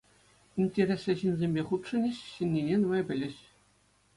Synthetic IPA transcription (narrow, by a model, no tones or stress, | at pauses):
inʲtʲeɾʲesʲɘ̆ɕinʲzʲemʲbʲeχut̪ʂɤ̆nʲɘ̆ɕɕinʲːinʲenɤ̆mɑjbʲɘ̆lʲɘ̆ɕ